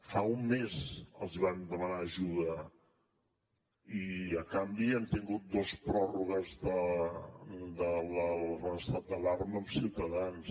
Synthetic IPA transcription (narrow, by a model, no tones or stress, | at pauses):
faumːezəlˠziβ̞and̪əmənaəʒuðə | iəkambiɛnt̪iŋɡut̪̚d̪ospɾɔruɣəzðə | d̪ələlrəəst̪at̪̚d̪əlarməːmsiwt̪əðans